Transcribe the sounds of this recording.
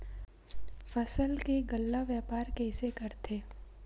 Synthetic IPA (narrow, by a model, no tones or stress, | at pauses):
fəsəlkeɡəlːaʋjaːpaːɾkɛːsekɐɾt̪ʰeː